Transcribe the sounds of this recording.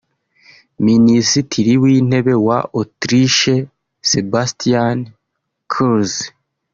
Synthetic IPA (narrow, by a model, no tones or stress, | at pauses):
minisitʰiɾiwiːn̥e̞βe̞waʔotɾiʃe | sebastian | kʰuz